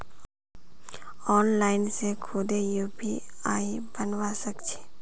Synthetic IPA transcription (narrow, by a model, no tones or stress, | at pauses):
ɔːnlaːɪnsekʰod̪ejuːpiaːibənwasəkt͡ʃʰi̥